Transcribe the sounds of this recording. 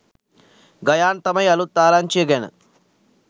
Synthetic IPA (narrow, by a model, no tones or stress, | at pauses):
ɡɐjaːnt̪ɐmɐjɐlut̪ːaːlaːnt͡ʃeːɡɐnɐ̰